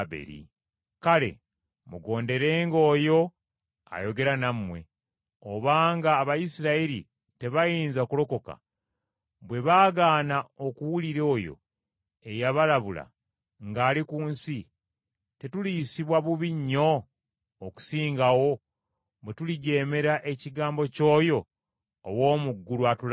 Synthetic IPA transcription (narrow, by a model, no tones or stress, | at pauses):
bḛɾḭ | kale̞̰ | muɡo̞ːnde̞ɾe̞ːŋɡo̞ːjo̞ | a̰jo̞ɡe̞ɾanamwe̞̰ | oβaːŋɡaːβajisiɾaiɾḭ | te̞βajiːnzakulo̞ko̞ka̰ | bwe̞βaːɡaːnao̞kuwuliɾo̞ːjo̰ | e̞jaβalaβula̰ | ŋɡaːlikuːnsi | te̞tulisiβwaβuβiɲːo̞ː | ku̥siːŋɡawo̞ | βwe̞tuliɟe̞ːme̞ɾaʔe̞ciɡaːmbo̞co̞ːjo̞ː | wo̞ːmuɡːuɾuatul